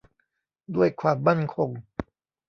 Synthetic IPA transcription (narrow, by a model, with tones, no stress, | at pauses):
du˥˩əjkʰwaː˧˩mːa˥˩˨nkʰo˧ŋ